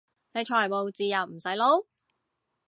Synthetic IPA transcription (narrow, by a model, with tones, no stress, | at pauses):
ne˨˧jt͡ʃʰɔː˨˩jmo˨wt͡siː˨˧jɐ˨˩wm̩˨˩sɐ˨˥jlo˨˥w